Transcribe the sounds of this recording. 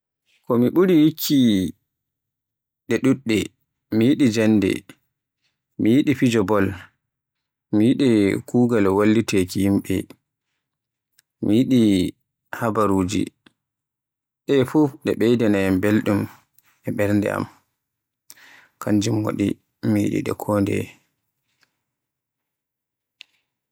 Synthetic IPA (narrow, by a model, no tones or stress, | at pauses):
kɔmiɓuɾihikʰːi | ɗɛɗuɗːɛ | mijiɗid͡ʒanːdɛ̰ | mijiɗifid͡ʒɔbɔl | mijiɗikuːɡalwalːitekihimɓɛ̰ | mijiɗi | habaɾuːd͡ʒḭ | ɗɛfuɗɛɓɛjdɛnambelɗum | ɛɓɛɾndɛ̰ʔa̰m | kʰaɲd͡ʒimwa̰ɗḭ | mijḭɗḭɗɛ̰kʰoːndɛ̰